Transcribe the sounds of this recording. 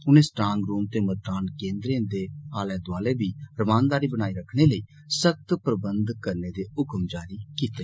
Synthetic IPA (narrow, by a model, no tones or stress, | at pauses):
ʊnẽːsʈɾãːŋɡɾuːmt̪eːməɾd̪aːnkẽːnd̪ɾẽd̪eːaːlɛ̃ːd̪ʊaːleːbiːɾəmaːnd̪aːɾiːbəñaːiːɾəkʰːɽ̃eːləiː | sək̚t̪pɾəbənd̪kəɾneːd̪eːʊkəmd͡ʒaːɾiːkiːt̪eː